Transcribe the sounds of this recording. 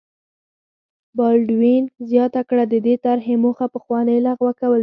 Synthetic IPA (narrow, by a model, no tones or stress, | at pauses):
bɑlɖwinzjɑt̪akɽad̪əd̪et̪aɾɦemoxapəxwɑnəjlaɣwakawəl